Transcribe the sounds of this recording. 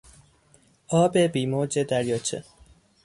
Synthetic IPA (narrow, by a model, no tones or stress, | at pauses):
ɒːbebiːmoːd͡ʒed̪æɾjɔt͡ɕʰḛ